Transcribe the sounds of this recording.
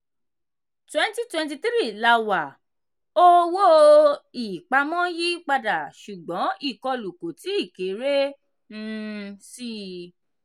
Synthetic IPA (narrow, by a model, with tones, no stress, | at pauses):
twɛ̃˦n˦ti˦twɛ̃˧t̬i˧t̪ɾi˦˨la˧wa˨ | o˦wo˦i˨k͡pa˧˦mɔ̃˦ji˦k͡pa˧da˨ʃu˨ɡ͡bɔ̃˨˦i˦˨kɔ˧lu˨ko˨ti˨˦i˦˨ke˨˦ɾe˦ | n̩˦si˦